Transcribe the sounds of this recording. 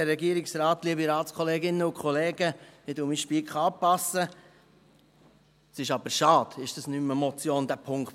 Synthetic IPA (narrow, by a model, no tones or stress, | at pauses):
ɛrːɛɡiːəɾɪksɾɑːt̪liəbiɾɑːlskʰχɔleːɡɪnːəʊkʰɔleːɡəmɪduːmiʃpiːkχɑːpɑsə | sɪʃɑb̥əɾʃɑːd̥̪ɪʃd̥ɑsnyməmɔt͡sjoːnd̪æpʰʊŋkt